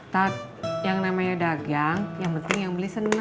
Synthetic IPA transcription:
t̪at̪̚jaŋnamaɲadaɡaŋjaŋpənt̪ɪŋjaŋbəlisəna

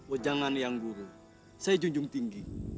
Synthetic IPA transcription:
ɔd͡ʒaŋanjaŋɡuɾu | sajid͡ʒuŋd͡ʒuŋt̪iŋɡi

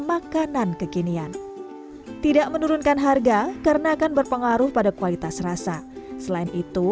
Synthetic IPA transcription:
makanankəkinian | t̪idaʔmənuɾʊnkanɦarɡakaɾənaːkanbərpəŋaɾʊhpadakuwalit̪asrasasəlaɪnit̪u

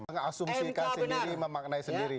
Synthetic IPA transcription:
əŋasumsikasindiɾiməmak̚naisəndiɾi

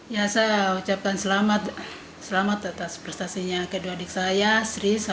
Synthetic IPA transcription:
jasaut͡ʃap̚kansəlamat̪ | səlamat̪at̪aspɾɛst̪asiɲakəduadik̚sajasɾisa

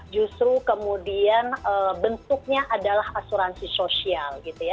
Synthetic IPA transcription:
d͡ʒust̪ɾukəmudianəbənt̪ʊk̚ɲaʔadalahasuɾansisosialɡit̪uja

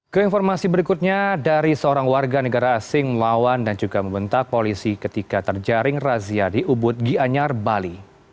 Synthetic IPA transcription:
kəinfɔrmasibəɾikut̪̚ɲadaɾisəoɾaŋwarɡanəɡaɾaːsɪŋməlawandand͡ʒuɡaməmbənt̪ak̚polisikət̪ikat̪ərd͡ʒaɾɪŋraziadiʔubʊt̪̚ɡiaɲarbali

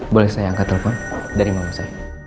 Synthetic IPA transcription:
bolɛhsajaaŋkat̪ɛlɛfɔndaɾimanusa

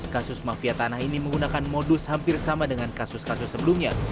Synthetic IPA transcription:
kasʊsmafiat̪anahiniməŋɡunakanmodʊshampɪrsamadəŋankasʊskasʊsːəbəlumɲa

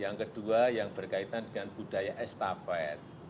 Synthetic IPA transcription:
jaŋkəd̥uajaŋb̥ərkait̪andəŋanb̥ud̥ajaʔɛst̪afɛt̪̚

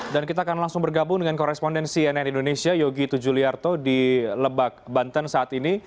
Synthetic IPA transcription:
dankit̪aːkanlaŋsʊŋbərɡabʊŋdəŋankɔɾɛspɔndɛnsiɛnɛnindonesiajoɡit̪ud͡ʒuliart̪odiləbak̚bant̪ənsaʔat̪ini

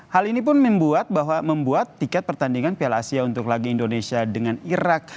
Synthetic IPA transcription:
halinipʊnməmbuat̪̚baɦwaməmbuat̪ːikat̪̚pərt̪andiŋanpiala̰siaunt̪ʊklaɡiindonesiadəŋaniɾak̚

